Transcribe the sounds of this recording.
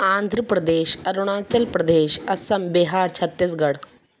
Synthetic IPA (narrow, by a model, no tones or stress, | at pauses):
ãːnd̪ʱɾəpɾɐd̪eːɕɐɾuɽ̃aːt͡ɕɐlpɾɐd̪eːɕɐsɐmbiɦaːɾt͡ɕʰɐt̪ːis̬ɡɐɽ